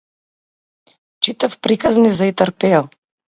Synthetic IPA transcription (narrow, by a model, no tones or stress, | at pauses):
t͡ʃit̪afpɾikaznizait̪əɾpɛal